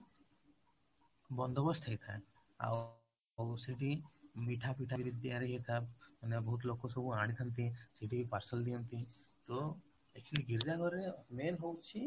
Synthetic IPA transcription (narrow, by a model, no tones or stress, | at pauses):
bɔnd̪obɔst̪ʰajt̪ʰa̰e | a̰ | wsiʈimiʈʰapiʈʰabibid̪ːiaɾiɦejt̪ʰamanebɔɦut̪lokːosobʱuaɽ̃it̪ʰant̪̬isiʈipaɾsəld̪ijɔnt̪it̪o | ekt͡ʃʰiliɡiɾd͡ʒaɡʱɔɾemenɦowt͡ɕʰi